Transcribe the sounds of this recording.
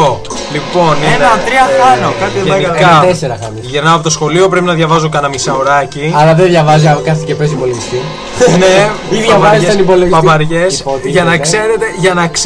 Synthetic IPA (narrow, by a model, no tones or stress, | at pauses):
o | lipo̞nenɐt̪ɾiɐxɐnokɐt̪iɐkɐt̪ese̞ɾɐxɐmisʝeɾnɐɐpot̪osxo̞lio̞pɾe̞pinɐðʝɐvɐzukɐnɐmisɐoɾɐciɐlɐðenðʝɐvɐzikɐθicepes̬ipo̞leʝist̪i | neiðjɐɐzissɐnipo̞loʝiɐpɐɾʝesot̪iʝɐnɐkse̞ɾe̞t̪e̞ʝɐnɐks